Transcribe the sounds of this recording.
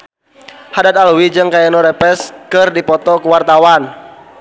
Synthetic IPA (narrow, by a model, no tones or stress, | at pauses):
hadat̪̚alwid͡ʒɨŋkajanɔɾɛpɛskɨrdipɔt̪ɔkəwart̪awan